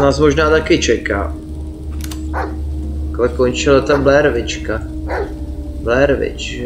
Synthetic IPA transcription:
naːsmoʒnaːt̪akɪt͡ʃɛka̰ː | klɛkont͡ʃɪlat̪ablɛɾvɪt͡ʃka | blɛɾvɪ̰t͡ʃ

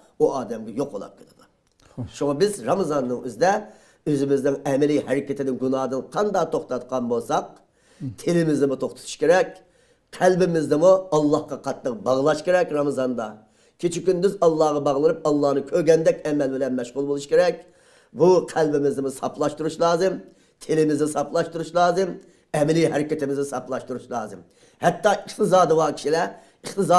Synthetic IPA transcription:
uɑːd̪ɛmɡʲɛjoqo̰lˠɑ̰p̚kʰʲed̪ɨd̪u | ʃuŋɑbɪzɾɑmɨzɑnːɨŋøzɪd̪ɛ | øzɪmɪznɪŋɛmɪlɪhɛɾɪkʲɛt̪ʰɪd̪ɪnɡunɑːd̪ɨnqʰɑnd̪ɑt̪ʰoχt̪ɑt̪qʰɑnbolˠsɑq̚ | t̪ʰɪlɪmɪznɨmʊt̪ʰoχt̪ʰʊt̪ʰu̥ʃkʲeɾɛkʲ | qʰælbɪmɪzd̪ɨmuɑlˠːɑhqɑqʰɑt̪ːəq̚bɑʁlˠɑʃkʲeɾɛkʲɾɑmɨzɑnd̪ɑ | kʲʰet͡ʃʰikʲynd̪yzɑlˠːɑhʁɑbɑʁlˠɨnɨp̚ɑlˠːɑhnɨkʲʰøɾɡʲɛnd̪ɛkʲɛmɛlbɪlɛnmɛʃʁʊlˠbolˠuʃkʲeɾɛkʲ | buqʰælbɪmɪzd̪ɨmusɑplˠɑʃt̪uɾuʃlˠɑːzɨm | t̪ʰelɪmɪznɪsɑplˠɑʃt̪uɾuʃlˠɑːzɨm | ɛmɪliɦɛɾɪkʲɪt̪ɪmɪznɪsɑplˠɑʃt̪uɾuʃlˠɑːzɨm | hɛt̪ːɑʔəχt̪ʰɨzɑːd̪ɨwɑkʲʰi̥ʃilɛ | əχt̪ɨzɑ

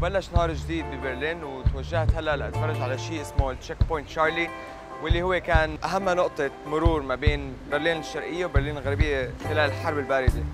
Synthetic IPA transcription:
wbalːaʃnhɑːɾˤʒːd̪iːd̪̚bibɪɾliːnwt̪waʒːaht̪halːaʔlaʔat̪fɑrˤːɑʒʕalaʃiːʔɪsmot͡ʃːekpojnt̪ʃɑːɾˤli | wɪlːihʊwːekaːnʔaɦamːanʊʔt̪ˤemʊɾuːɾmabeːnbɪɾliːnɪʃːɑɾˤʔɪjːewbɪɾˤliːnɪlɣaɾbɪjːexɪlaːlɪlħɑɾˤbɪlbaːɾɪd̪e

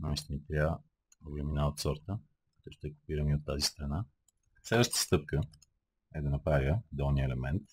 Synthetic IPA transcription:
namist̪nit̪ɾʲa | oɡɛminaot̪sɔɾt̪ə | kɐt̪ɔʃt̪ɛkʊ̥piɾəmiot̪ːazist̪ɾɐna | sɛlˠəʃt̪ə̥st̪ɤp̚kə | ɛd̪ɐnɐpɾavʲjəd̪ɛlˠniəɛlɛmɛnt̪

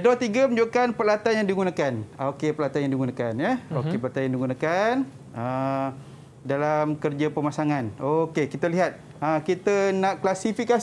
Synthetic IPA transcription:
dɔt̪iɡəmə̃ɲd͡ʒokanpəlat̪anjaŋdiɡunãkanokepəlat̪anjaŋdiɡunãkanjɛokepəlat̪anjãŋdiɡunakan | ə | dalamkərd͡ʒapəmasaŋanokekit̪əliɦat̪̚ | akit̪ənãʔklasifika

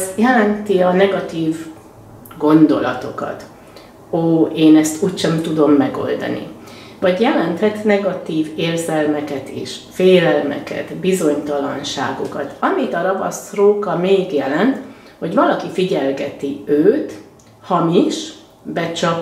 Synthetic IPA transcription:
sjɛlɛnt̪iɒnɛɡɒt̪iːv | ɡo̞nd̪o̞lɒt̪o̞kɒ̰t̪ | oːeːnɛst̪uːcʃɛmt̪ud̪o̞mːɛɡo̞̰ld̪ɒ̰nḭ | vɒɟjɛlɛnt̪hɛt̪nɛɡɒt̪iːveːrzɛlmɛkɛt̪ḭːʃfeːlɛlmɛ̰kɛ̰t̪bizo̞ɲt̪ɒlɒ̰nʃa̰ːɡokɒt̪ɒmit̪ɒɾɒbɒ̰sroːkɒmeːɡjɛlɛnt̪ | ho̞ɟvɒlɒkifiɟɛlɡɛt̪iøːt̪ | hɒmiʃ | bɛt͡ʃɒk

